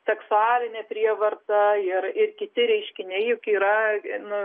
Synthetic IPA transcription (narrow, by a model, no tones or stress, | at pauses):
sʲɛksʊɑːlʲɪnʲɛːpʲɾʲiɛʋɐrt̪ɐɪrɪrkʲɪt̪ʲɪɾʲɛɪʃʲkʲɪnʲɛɪjʊkiːɾɐnʊ